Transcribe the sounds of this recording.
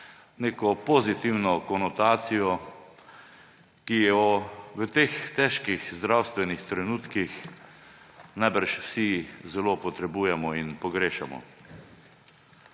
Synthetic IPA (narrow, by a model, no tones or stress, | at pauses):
neːkɔpɔzit̪iwnɔkɔnɔt̪aːt̪sijɔ | kijɛɔʋət̪eːxt̪ɛʃkixzd̪ɾawst̪ʋɛnixt̪ɾɛnuːt̪kix | najbəɾʃwsizɛlopɔt̪ɾɛbuːjɛmɔinpɔɡɾeːʃamɔ̰